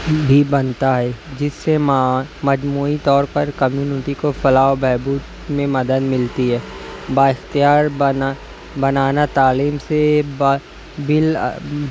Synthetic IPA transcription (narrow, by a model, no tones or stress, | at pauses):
bʱibɐnt̪aɦɛːd͡ʒɪsːemamɐd͡ʒmuːit̪ɔːɾpɐɾkɐmjuːnɪʈikofɐlaːobɛːbuːt̪ | mẽmɐd̪əd̪mɪlt̪iɦɛːbaːɪxt̪ijaːɾ | bɐnaːnat̪aːliːmseb | bɪl